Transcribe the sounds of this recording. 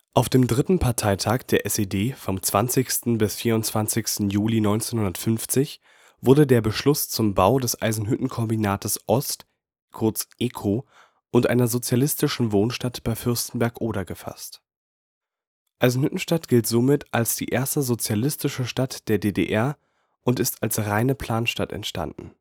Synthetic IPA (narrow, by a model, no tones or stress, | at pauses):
ʔaʊfd̥eːmdʁɪtn̩pʰaɐtʰaɪtʰaːkd̥eːɐʔɛsedeːfɔmt͡sv̥ant͡sɪçstn̩bɪsfiːɐʊntt͡sv̥ant͡sɪçstn̩juːlinɔʏnt͡seːnhʊndɐtfʏnft͡sɪç | v̥ʊɐdədeːɐbəʃlʊst͡sʊmbaʊdɛsʔa̰ɪzn̩ɦʏtn̩kʰɔmbinaːtʰəsʔɔst | kʰʊɐt͡sʔɛːkʰo | ʔʊntʔa̰ɪnɐzot͡sjalɪstɪʃn̩voːnʃtatb̥aɪfʏɐstn̩bɛɐkʔoːɾɐɡəfa̰st | ʔaɪzn̩hʏtn̩ʃtatɡ̥ɪltz̥oːmɪtʰalsd̥ḭːʔeːɐstəzot͡sjalɪstɪʃəʃtatd̥eːɐdeːdḛːʔɛɐ | ʔʊntɪstalsʁaɪnəpʰl̥aːnʃtatɛ̰ntʃta̰ndn̩